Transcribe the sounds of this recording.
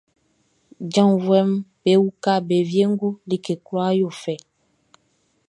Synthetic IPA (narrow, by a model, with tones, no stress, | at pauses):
d͡ʒã˦˨vwɛ˦mbe˨˦wu˦ka˦˨be˨vje˦ŋ˦ɡu˦li˦˨ke˨kwa˦jo˦˨fɛ˨